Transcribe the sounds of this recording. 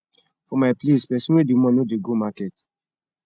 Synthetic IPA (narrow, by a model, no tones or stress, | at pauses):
fɔmajplespɛsinɛdumɔ̃nodeɡomakɛt